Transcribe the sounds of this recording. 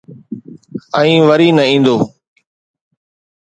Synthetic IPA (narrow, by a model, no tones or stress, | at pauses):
ə̃ĩːʋəɾiːnəĩːnd̪oː